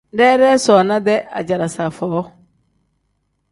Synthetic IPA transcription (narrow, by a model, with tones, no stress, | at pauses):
dɛ˦ɾɛ˦sɔ˨na˦dɛ˦ʔa̰˨d͡ʒa˨ɾa˨sa˨fɔː˨˦